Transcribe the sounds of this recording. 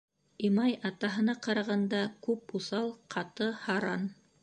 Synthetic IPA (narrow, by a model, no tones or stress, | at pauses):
imɑjɑt̪ɑɦɤ̆nɑqɑɾɑʁɑnd̪ɑkʉpuθɑlˠqʰɑt̪ɤhɑɾɑn